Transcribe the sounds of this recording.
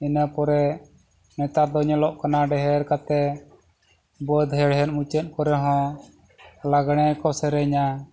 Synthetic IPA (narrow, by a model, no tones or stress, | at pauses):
inəpɔɾɛ | nɛt̪aɾd̪ɔɲɔlɔʔkanaɖɛɦɛɾkat̪ɛ | bɔd̪ɦɛɽɦɛɾ̚mut͡ʃɛt̪̚ˀkɔɾɛɦɔ̃ | laɡɽ̃ɛkɔsɛɾɛɲa